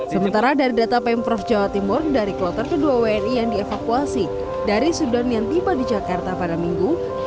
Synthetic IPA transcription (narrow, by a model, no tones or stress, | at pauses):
səmənt̪aɾadaɾidat̪apɛmpɾɔfd͡ʒawat̪imʊrdaɾikəlɔt̪ərkəduaweɛnijaŋdiefakuasi | daɾisudanjaŋt̪ibadid͡ʒakart̪apadamiŋɡu